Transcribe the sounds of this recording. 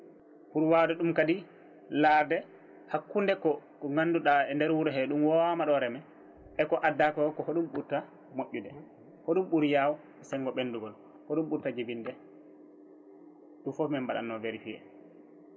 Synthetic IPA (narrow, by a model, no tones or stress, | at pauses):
huɾwadɛɗumkadi | laːɾdɛ | hakːundɛkɔ | ŋanːduɗaɛndɛɾwuɾɛɦɛɗumwɔmaɗɔɾɛmɛ | ɛkɔʔadːakɔkɔhoɗumɓuɾta | moʔːudɛ | hoɗumɓuɾijawɔ | ɛsɛŋɡɔɓenduɡɔl | hɔɗumɓuɾtad͡ʒebindɛ | ɗumfɔfmɛmbaɗa̰nːɔveɾifiɛ̰